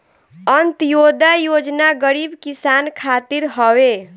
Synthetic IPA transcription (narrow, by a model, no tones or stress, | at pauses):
ənt̪jod̪ajod͡ʒnaɡəɾibkisankʰat̪iɾɦɔwe